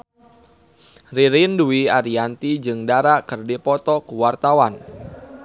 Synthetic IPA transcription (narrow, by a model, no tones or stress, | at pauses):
riɾɪnduiaɾiant̪id͡ʒɨŋdaɾaʔkərdipɔt̪ɔkuwart̪awan